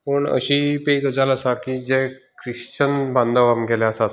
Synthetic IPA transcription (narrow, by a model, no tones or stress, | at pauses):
pəɳə̰ɕiːpeikəd͡zalasakiːd͡ze | kɾiɕt͡ɕənbãnd̪əʋamɡeleəsat̪